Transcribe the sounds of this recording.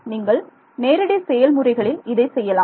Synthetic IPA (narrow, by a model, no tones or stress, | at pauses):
niːŋɡɐɭ | neːɾɪɽɐsɛjɐlmʊrɐɪɣɐɭɪlɪðɐɪsɛjːɐlaː